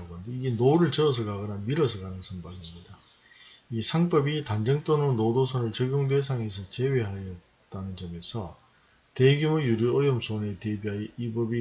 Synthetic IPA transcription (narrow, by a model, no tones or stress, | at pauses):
ɡʌndeiɡe̞noɾɯɭt͡ɕʌs̬ʰɯɡaɡɯnanmiɾʌs̬ʰɯɡanɯsʰʌmbaɡimɲida | isʰaŋp͈ʌbitand͡ʑʌŋt͈ononodos̬ʰʌnɯɭt͡ɕʌɡjoŋdwe̞s̬ʰaŋesʰʌt͡ɕe̞we̞ɦajʌt | t͈anɯnt͡ɕʌme̞sʰʌ | teɡjumujuɾjuʌjʌmsʰone̞tebiajeibʌbi